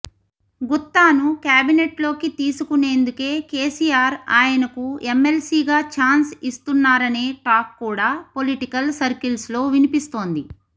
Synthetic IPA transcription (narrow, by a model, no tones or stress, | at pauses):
ɡut̪ːaːnukjaːbineʈlo̞ːkit̪iːsukune̞ːnd̪uke̞ːke̞ːsiːjaːɾa̰ːjɐnɐkuemːelsiːɡaːt͡ʃaːnsist̪unːaːɾɐne̞ːʈaːkːuːɽaːpo̞liʈikɐlsɐɾkilslo̞ːʋinipist̪o̞ːnd̪i